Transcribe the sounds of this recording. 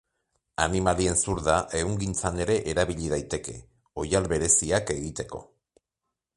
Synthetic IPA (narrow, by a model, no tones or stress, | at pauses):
animalie̞nsuɾðaʔe̞ɣuŋɡint͡sane̞ɾe̞ʔeɾaβiʎið̞ajt̪e̞ke̞ | o̞jalβe̞ɾe̞siake̞ɣit̪e̞ko̞̰